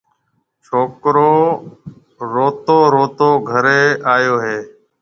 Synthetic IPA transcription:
t͡ʃʰoːkɾoː | ɾoːt̪oːɾoːt̪oːɡʱəɾeːaːjoːɦeː

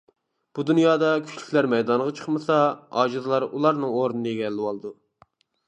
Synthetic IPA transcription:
b̥ud̪unjɑːd̪ɑkʲʰy̥t͡ʃʲlʲy̥kʲlæɾmɛjd̪ɑnʁɑt͡ʃʰə̥χmɨsɑɑ̰ːd͡ʒɨzɨlˠɑɾulˠɑɾnɨŋoɾɨnɨeɡʲɛlːɪwɑlˠɨd̪u

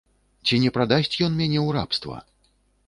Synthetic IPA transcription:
t͡sʲinʲɛpɾad̪asʲt͡sʲjɔnmʲanʲɛwɾa̰pst̪vɐ̰

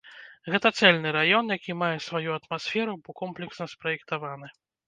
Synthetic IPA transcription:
ɣɛt̪ɐt̪sɛlʲnɨɾajɔnjakʲimajɛsvajuɐt̪masʲfʲɛɾubɨkɔmplʲɛksnɐspɾɐjɛkt̪avanɨ

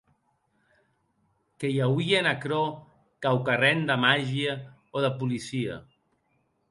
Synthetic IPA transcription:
kejawienakɾo | kawkarɛnd̪əmaʒiə | oðəpulisiə̰

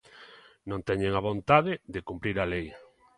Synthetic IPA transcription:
nõnt̪ɛɲeŋaβõnt̪aðɪðɪkumpɾiɾalej

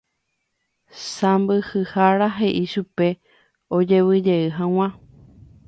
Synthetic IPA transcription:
sãmbɨhɨhaɾaɦe̞ʔiʃupe̞ | od͡ʒe̞wɨd͡ʒe̞ɨɦãw̃ã

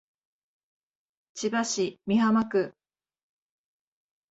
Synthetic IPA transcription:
t͡ɕibaɕimʲiɦamakɯ̟

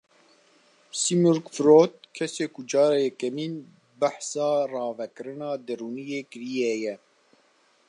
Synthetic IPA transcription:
simuɾkfɾoːt̪̚kʰɛseːkʊd͡ʒɑːɾejɛkɛmiːn | baħsɑːrɑːvɛkɨɾɨnɑːd̪ɨɾuːnijeːkɨɾijɛjɛ

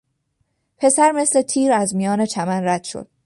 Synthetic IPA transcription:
pʰe̞sæɾme̞sle̞t̪ʰiːɾæzmijɒːne̞t͡ʃʰæmænræd̪̥ʃo̰d̪̥̚

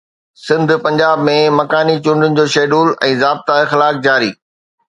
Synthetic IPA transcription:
sɪ̃nd̪ʱpɐ̃ɲd͡ʑaːbmẽmɐkaːnit͡ɕʊ̃ɳɖɪnɪ̆d͡ʑoːʃeːɗuːlɛ̰̃ːzaːb̚t̪aɪxɪlaːk̚d͡ʑaːɾḭː

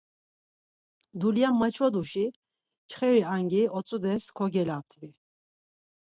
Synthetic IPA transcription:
d̪uljamːat͡ʃʰɔd̪uʃi | t͡ʃʰχɛɾiaŋɡiɔt͡sʼud̪ɛskʰɔɡɛlap̚t̪ʰʼvi

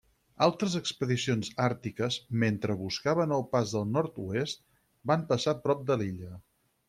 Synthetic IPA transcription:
alˠt̪ɾəzəkspəðisionzaɾt̪ikəzment̪ɾəβuskaβənəlˠpazðəlˠnɔɾt̪uest̪ | bampəsapɾɔp̚d̪əliʎə

